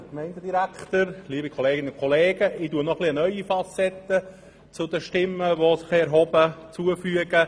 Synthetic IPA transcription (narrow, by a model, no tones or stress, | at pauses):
kmɛɪndədiɾækχt̪əɾliːbikʰɔleːɡɪnəʊkʰɔleːɡəʔɪtuənɔχliənœʏifɑsɛt̪ːə | t͡sʊd̪əʃtɪmːəʋosɪχɛɾɦɔbət͡suəfyəɡə